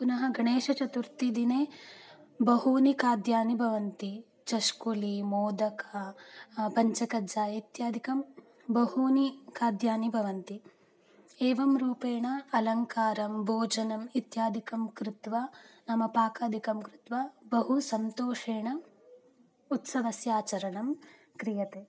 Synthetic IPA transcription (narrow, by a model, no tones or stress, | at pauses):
punɐɦɐɡʱɐɳeːʂɐt͡ʃɐt̪uɾt̪id̪ineː | bɐɦuːnikaːd̪ʱjaːnibʱɐʋɐnt̪i | t͡ʃɐʃkulimoːd̪ɐkɐ | pɐɲt͡ʃɐkɐd͡ʒaːit̪jaːd̪ʱikɐm | bɐhuːnikaːd̪jaːnibʱɐʋɐnt̪i | eːʋɐmɾuːpeːɳɐɐlɐŋkaːɾɐmbʱoːd͡ʒɐnɐmit̪jaːd̪ʱikɐmkɾɪt̪ʋanɐmɐpaːkaːd̪ʱikɐmkɾɪt̪ʋabɐɦusɐnt̪oːʂeːɳɐ | ut̪sɐʋɐsjaːt͡ʃɐɾɐɳɐm | kɾijɐt̪eː